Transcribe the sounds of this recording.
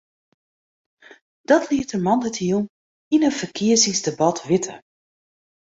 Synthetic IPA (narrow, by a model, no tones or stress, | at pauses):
d̥ɔtʰliətəmɑndatʰium | inənfərkʰiəzɪŋsdebɑtʰʋɪtʰə̰